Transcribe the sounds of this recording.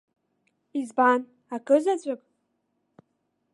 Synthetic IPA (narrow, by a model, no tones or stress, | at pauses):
izban | akʼɨzat͡ɕʷʼakʼ